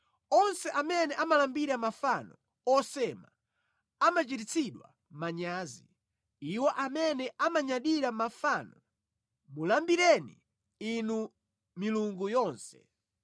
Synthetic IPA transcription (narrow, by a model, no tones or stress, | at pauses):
ɔnsɛʔamɛnɛʔamalambiɾamafanɔ | ɔsɛma | amat͡ʃitit͡sʰiɗwa̰ | maɲaːzi | iwɔʔamɛnɛʔamaɲaɗiɾamafanɔ | mulambiɾɛnḭ | inu | miluŋɡujɔːnsɛ̰